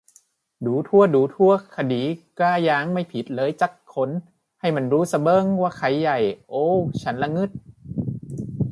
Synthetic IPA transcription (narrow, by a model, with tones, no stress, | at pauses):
duː˨˦t̪ʰu˧˥˩əduː˨˦t̪ʰu˧˥˩ɐkʰa˧diː˨˩˦kaː˧˩jaː˧˦˥ŋma˥˩jpʰi˨˦t̪̚lɤː˨˦jt͡ɕa˧˦kʰːo˧˥n | ha˥˩jma˧˩nɾuː˦˥sa˧bɤː˧˨ŋwaː˧˥˩kʰa˨˦jːa˨˩jʔoː˧˥t͡ɕʰa˦˥nla˧ŋɯ˧˥˩t̪̚